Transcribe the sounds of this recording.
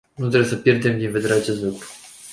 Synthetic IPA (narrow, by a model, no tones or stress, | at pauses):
nut̪ɾebjesəpʲjerd̪e̞md̪inve̞d̪eɾeat͡ʃe̞st̪lukɾu̥